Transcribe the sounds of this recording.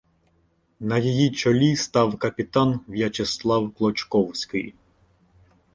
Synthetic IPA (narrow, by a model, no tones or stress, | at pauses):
nɐjɔjit͡ʃɔlʲist̪ɑwkɐpʲɪt̪ɑnʋjɐt͡ʃɛslˠɑwklˠɔt͡ʃkɔwsʲkɪ̰j